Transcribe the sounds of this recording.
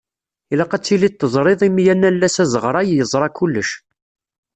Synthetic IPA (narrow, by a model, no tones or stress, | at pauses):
ilɑqæt͡sːilit̪ːəzˤɾˤɪðˤimjænːælːæsæzəʁɾˤɑjjəzˤɾˤɑkulːəʃ